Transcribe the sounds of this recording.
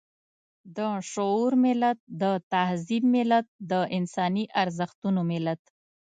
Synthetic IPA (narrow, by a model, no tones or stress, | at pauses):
d̪əʂʊuɾmɪlat̪̚d̪ət̪ahzib̚mɪlat̪̚d̪əʔɪnsɑniʔaɾzəxt̪unomɪlat̪